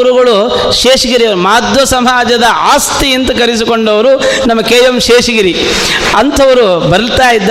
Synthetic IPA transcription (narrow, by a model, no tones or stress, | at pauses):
uɾuɣɐɭu | ʃeːʂɐɡiɾiɐʋɐɾumaːd̪ʱʋɐsɐmaːd͡ʒɐd̪ɐʔaːst̪iint̪ɐkɐɾis̬ikoɳɖɐʋɐɾunɐmːɐkeːjɐmʃeːʂɐɡiɾi | ɐnt̪ʰɐʋɐɾubɐɾɐlt̪aːjid̪ː